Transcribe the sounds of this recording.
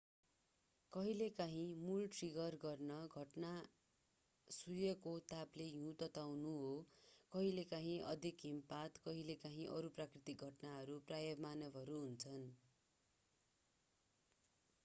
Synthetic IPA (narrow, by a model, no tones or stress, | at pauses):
kʌɦilekaɦĩmulʈriɡʌrɡʌrnʌɡʱʌʈna | sujʌkot̪aplejũt̪ʌt̪awnuɦokʌɦilekaɦĩʔʌd̪ʱikɦimpat̪kʌɦilekaɦĩʔʌɾuprakrit̪ik̚ɡʱʌʈnaɦʌɾuprajʌbmanʌbʱʌɾuɦunt͡sʰʌn